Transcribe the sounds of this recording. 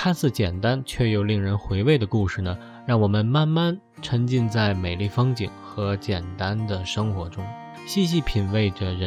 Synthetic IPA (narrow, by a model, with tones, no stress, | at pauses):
kʰa˥nsɹ̩˥˩t͡ɕjɛ˨˩nt̪a˥nt͡ɕʰɥɛ˥˩jo˨˩ʊli˥˩ŋɻə˧˥nxwe˧˥ɪwe˥˩ɪd̪ə˩ku˥˧ʂɻ̩˥˩nə˩ | ɻɑ˥˩ŋwɔ˨˩mə˦nma˥˧nma˥˩n | ʈ͡ʂʰɤ˧˥ŋt͡ɕi˥˧nt͡sa˥˩ɪme˨˩ɪli˥˩fɤ˥ŋt͡ɕḭ˨˩ŋxɤ˧˥t͡ɕjɛ˨˩nt̪a˥nd̪ə˨ʂɤ˥ŋxwɔ˧˥ʈ͡ʂʊ˥ŋ | ɕi˥˧ɕ̬i˥˩pʰi˨˩nwe˥˩ɪʈ͡ʂə˩ɻə˧˥